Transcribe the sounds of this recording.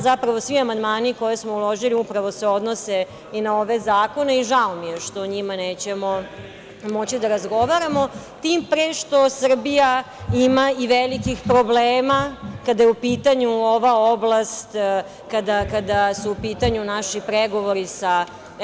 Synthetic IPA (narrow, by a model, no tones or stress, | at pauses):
zapɾaʋo̞sʋiamand̪maːniko̞jesmo̞ulo̞ʒiliupɾaʋo̞se̞o̞d̪nose̞ | inao̞ʋe̞zaːko̞ne̞iʒaomijeʃt̪o̞ɲimaneːt͡ɕe̞mo | mo̞t͡ɕid̪aɾazɡo̞ʋaɾamo̞ | t̪impɾeːʃt̪o̞sr̩bija | imaiʋelikixpɾo̞bleːmakad̪ajeupiːt̪aɲuo̞ʋaoblˠast̪ | kad̪akad̪asuupiːt̪aɲunaʃipɾeɡo̞ʋo̞ɾisa